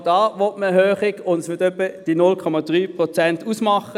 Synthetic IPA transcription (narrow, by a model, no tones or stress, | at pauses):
d̥ɑːʋɔtməɦøːχɪɡʊndsʋɪɐtœpːəd̥inʊlkʰɔmɑd̥ʁyːpʁɔt͡sɛntuːsmɑχə